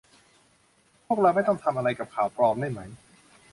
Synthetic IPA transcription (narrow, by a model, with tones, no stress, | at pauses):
pʰu˥˩ək̚ɾa˧wma˥˩jt̪̬ɔ˥˩ŋt̪ʰa˧mʔa˧ɾa˧jka˨˩p̚kʰaː˨˩wpɾɔː˧mda˥˩jma˦˥j